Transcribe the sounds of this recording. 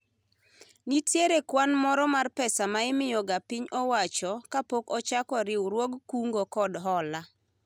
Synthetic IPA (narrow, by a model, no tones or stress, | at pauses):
nitjeɾekwanmɔɾɔmarpɛsamaɪmɪjɔɡapɪɲɔwat͡ʃɔkapokɔt͡ʃakɔɾɪuɾwoɡkuŋɡokɔdɦɔla